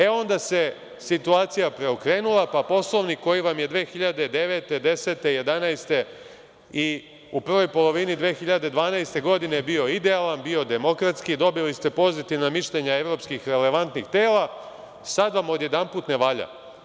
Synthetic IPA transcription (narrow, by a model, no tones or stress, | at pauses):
e̞o̞nd̪ase̞ | sit̪uaːt̪sijapɾe̞okɾe̞ːnulˠapapo̞slˠo̞ʋniko̞jiʋamje̞d̪ʋeːxiʎad̪ed̪e̞ʋe̞ːt̪e̞d̪e̞se̞ːt̪e̞je̞d̪anajst̪e̞ | i | uprʋo̞jpo̞lˠo̞ʋinid̪ʋeːxiʎad̪e̞d̪ʋaːnajst̪e̞ɡo̞d̪inebio̞id̪ealanbio̞d̪e̞mo̞kɾat̪skid̪obilist̪e̞po̞zit̪iʋnamiʃʎeɲae̞ʋɾo̞ːpskixɾe̞le̞ʋant̪nixt̪eːlˠa | sad̪ʋamo̞d̪je̞d̪anpuːt̪ne̞ʋaʎa̰